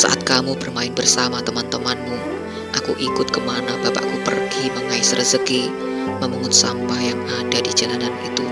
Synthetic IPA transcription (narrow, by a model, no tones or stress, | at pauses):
sa̰ʔat̪̚kamubərmaɪnbərsamat̪əmant̪əmanmu | ʔakṵʔikʊt̪̚kəmanabapa̰ʔakupə̰rɡiməŋaɪsrəsəki | məmuŋʊt̪̚sampahjaŋadadid͡ʒalananit̪u